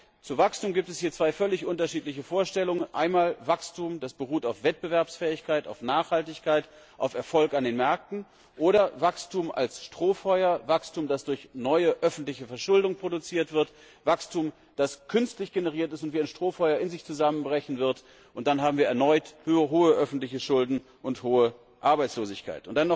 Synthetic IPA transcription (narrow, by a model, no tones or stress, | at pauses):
t͡suvakstuːmɡiːp̚tɛshiːɐt͡sv̥aɪfœlɪçʔʊntɐʃiːtlɪçəfoːɐʃtɛlʊŋənʔa̰ɪnmaːlvakstʰuːmd̥asb̥əʁuːtaʊfv̥ɛt̚b̥əvɛɐpsfɛːɪçkʰaɪta̰ʊfnaːχhaltɪçkʰaɪt | ʔaʊfɛɐfɔlkandeːnmɛɐk̚tn̩ | ʔoːɾɐvakstuːmʔa̰lsʃtʁ̥oːfɔʏɐvakstuːmdasd̥ʊɐçnɔʏəʔœfn̩tlɪçəfɛɐʃʊldʊŋpʁ̥odut͡siːɐtv̥ɪɐt | v̥akstʰuːm | d̥askʰʏnstlɪçɡ̥enəʁ̞iːɐtɪstʊntv̥iːaɪnʃtʁ̥oːfɔʏɐɪnzɪçt͡suzamənbʁɛçn̩vɪɐt | ʔʊntd̥anɦaːbm̩viːɐɛɐnɔʏtɦoːəʔœfn̩tlɪçəʃʊldn̩ | ʔʊnthoːə | ʔaɐbaɪt͡sloːzɪçkʰa̰ɪtʔʊnt̚d̥anːɔ